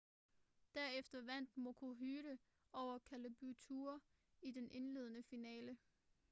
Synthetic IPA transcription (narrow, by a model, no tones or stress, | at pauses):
d̥æɐ̰efd̥ɐʋæn̰d̥mokʰo̝ɦyːɾ̥ə | ɒʊ̰ɐkʰæləb̥ut͡sʰuɐ | id̥enʔe̝nle̝ːð̞̰ˠənəfinɛːlə